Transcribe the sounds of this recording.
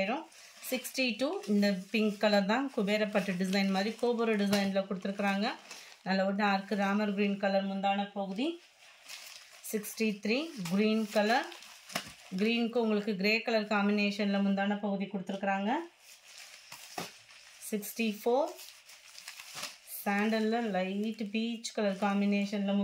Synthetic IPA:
ɾɐ̃ | sɪksʈiʈuːɪnd̪ɐpɪŋɡkɐlɐɾt̪ãːkʊbeːɾɐpːɐʈːɯɖɪsɐɪnmaːd̪ɾikoːbɔɾoːɖɪsɐɪnlɐkɔɽɯt̪ːɯɾɯkːɪɾaːŋɡɐnɐlːɐɔʈːaːɾkɯɾaːmɐɾɡɾiːnkɐlɐɾmʊnd̪aːnɐpɐɣɯði | sɪksʈit̪ʰɾiːɡɾiːnkɐlɐɾ | ɡɾiːnkːɯʊŋɡɐɭɯkːɯɡɪɾeːkːɐɭɐɾkaːmbɪneːʂɐnɪlɐmʊnd̪aːnɐpɐɣɯðikɔɽɯt̪ːɯɾɯkːɪɾaːŋɡɐ | sɪksʈifoːɾ | saːɳɖɐɾlɐlɐɪʈːbiːt͡ʃːkɐlɐɾkaːmbɪneːʂɐnɪlɐm

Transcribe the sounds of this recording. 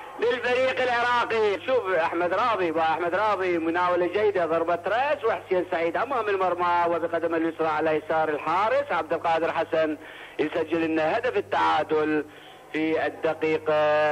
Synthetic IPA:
bɪlfaɾiːqɪlʕɪɾˤɑːqiʃuːfʔaħmad̪ɾˤɑːðˤiwaʔaħmad̪ɾˤɑːðˤimʊnaːwalad͡ʒajːd̪aðˤɑɾˤbɑt̪ɾˤɑswɪħsɪjansaʕiːd̪ʔamːahamɪlmɑɾˤmawɪbɪqad̪amɪlwʊt̪ɾˤɑʕalajasɑːɾˤɪlħɑːɾˤɨsʕab̚d̪ɪlqɑːd̪ɪɾħasan | jsad͡ʒːɪlʔɪnːahad̪afɪt̪ːaʕaːd̪ʊl | fiɪd̪ːaqiːq

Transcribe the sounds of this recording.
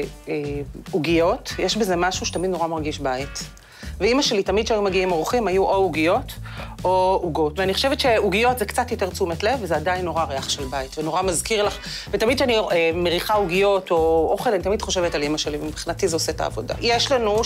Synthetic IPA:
euɡijo̞tjeʃbeze̞maʃuʃet̪amidno̞ʁamaʁɡiʃbait | veimaʃe̞litamid̥̚ʃeajumeɡiimoʁuχimajuʔouɡijo̞touɡo̞tveaniχo̞ʃe̞vtʃeuɡijo̞tzekt͡satjo̞te̞ʁt͡sumetle̞vezeadajnːoʁaʁeaχʃelbaitveno̞ʁamazkiʁlaχ | vetamid̚ʃeaniemeʁiχauɡijo̞toʔoχelanit̪amidχo̞ʃevetalimaʃelivemipχinatizeoseta̰ːvo̞da̰jeʃlanu

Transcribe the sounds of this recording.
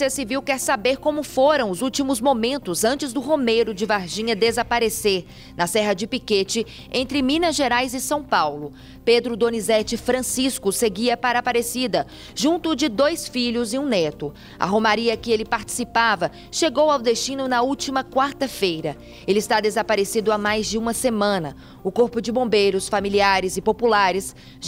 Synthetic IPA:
siɐsiviwkɛɾsabeɾkõmʊfoɾɐ̃w̃ʊzuwt͡ʃimʊzmõmẽnt̪ʊzɐ̃nt͡ʃɪzd̪ʊɦomejɾʊd͡ʒɪvaɾʒĩɲɐd̪ezapaɾeseɾ | nɐsɛɦɐd͡ʒɪpiket͡ʃɪ | ẽnt̪ɾɪmĩnɐʒeɾajzɪsɐ̃w̃pawlʊ | ped̪ɾʊd̪õnizɛt͡ʃɪfɾɐ̃siskʊseɡiɐpaɾɐapaɾesid̪ɐ | ʒũnt̪ʊd͡ʒɪd̪ojsfiʎʊzɪ̃ũnɛt̪ʊ | ɐ̰ɦõmaɾiɐkɪelɪpaɾt͡ʃi̥sipavɐ | ʃeɡowawd̪est͡ʃĩnʊnɐuwt͡ʃimɐkwaɾt̪ɐfejɾɐ | elɪːst̪ad̪ezapaɾesid̪ʊamajzd͡ʒɪũmɐsemɐ̃nɐ | ʊkoɾpʊd͡ʒɪbõmbejɾʊsfamiliaɾɪzɪpopulaɾɪs

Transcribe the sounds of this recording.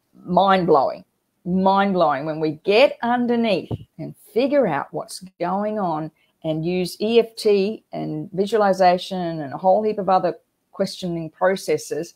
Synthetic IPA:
mãɪ̃nbloʊɪ̰̃ŋ | mãɪ̃nbloʊɪ̃ŋwə̃nwiɡɛɾʌ̃ndə˞niθɨ̃nfɪɡjə˞aʊʔ̚wʌ̰tsɡoʊɪ̃ŋə̃n | ʔɨ̃njʉziɛftʰiʔɨ̰̃nvɪʒwl̩ˠəzeɪʃɨ̃nɨ̃nəɦoʊlˠhipʌvʌðə˞ | kʰw̥ɛst͡ʃɨnɪ̃ŋpʰɹ̥oʊsɛsɪz̥

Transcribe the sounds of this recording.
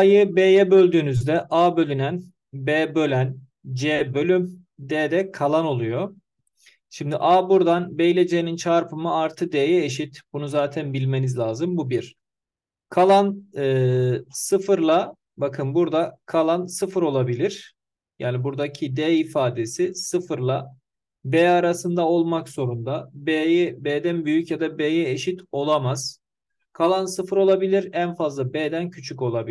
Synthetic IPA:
ajɯbeːjɛbø̞lʲd̪yːnyzd̪ɛʔaːbø̞lʲynæn | beːbø̞lʲæn | d͡ʒeːbø̞lʲym | d̪eːd̪ɛkʰalˠano̞lˠujo̞ | ʃimd̪iʔaːbuɾd̪anbejlʲed͡ʒeːnint͡ʃʰaɾpʰɯmɯaɾt̪ʰɯd̪ejɛeʃ̬it̪bunuzaːt̪ʰænbilʲme̞nizlʲaːzɯmbubiɾ̥ | kʰalˠanɯsɯfɯɾlˠa | bakʰɯnbuɾd̪akʰalˠansɯfɯɾo̞lˠabilʲiɾ̥ | jaːnibuɾd̪acʰid̪ɛifaːd̪e̞sisɯfɯɾlˠa | bɛːaɾasɯnd̪ao̞lˠmakz̥o̞ɾund̪abɛːjɛbɛːd̪ænbyjycjad̪abeːjɛeʃit̪o̞lˠamaz̥ | kʰalˠansɯfɯɾo̞lˠabilʲiɾænfazlˠabeːd̪æncʰyt͡ʃʰyco̞lˠabi

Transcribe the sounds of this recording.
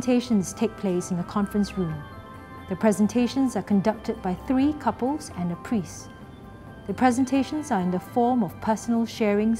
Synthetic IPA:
tʰeʃə̃nstʰek̚pʰl̥esɪ̃nðəkʰɔ̃nfɹə̃nsɹũm | ðəpʰɹ̥ɛzə̃ntʰeʃə̃nzakʰɔ̃ndʌk̚tʰəd̚baɪθɹiːkʰʌpəlˠzɛ̃nəpʰɹis | ðəpʰɹ̥ɛzə̃ntʰeʃə̃nzaɪ̃ndəfɔːmɔv̥pʰəsənəlʃɛɹɪ̃ŋ

